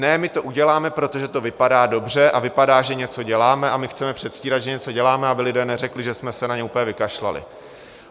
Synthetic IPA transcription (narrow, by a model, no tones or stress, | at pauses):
nɛmɪt̪o̞ʔuɟɛlaːmɛpɾo̞t̪o̞ʒɛt̪o̞vɪpadaːdo̞br̝ɛʔavɪpadaːʒɛɲɛt͡so̞ɟɛlaːmɛʔamɪxt͡sɛmɛpr̥ɛt̪sciːɾad̪ʒɛɲɛt͡so̞ɟɛlaːmɛabɪlɪdɛːnɛrɛklɪʒɛsmɛsɛnaɲɛupəɲɛvɪkaʃla̰lɪ̰